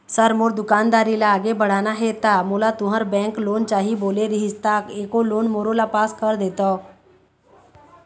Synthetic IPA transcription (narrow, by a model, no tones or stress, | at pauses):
səɾmoɾd̪ukand̪aɾilaːɡebəɽ̤anaɦet̪amulat̪uɦaɾbɛ̃ŋklont͡ʃaɦiboleɾiɦist̪akekolonmoɾolapaskəɾd̪et̪ɔ